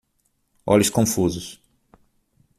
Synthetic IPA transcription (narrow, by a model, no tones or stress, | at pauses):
ɔ̰lʊskõfuzʊs